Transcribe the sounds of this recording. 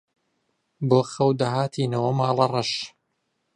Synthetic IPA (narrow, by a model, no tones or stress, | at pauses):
boːxɐwd̪ɐhaːt̪ʰiːnɐwɐmaːlɐrɐʃ